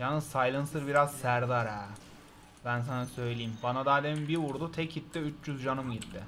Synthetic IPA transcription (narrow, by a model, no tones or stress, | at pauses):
janːɯzsajlˠɯnsɯɾbiɾazsæɾd̪aɾæː | bæns̬anasø̞jlʲejimbanad̪aːd̪emimbiɾvuɾd̪ut̪ʰɛcʰit̪ːɪyt͡ʃd͡ʒyzd͡ʒanɯmɟit̪ːɪ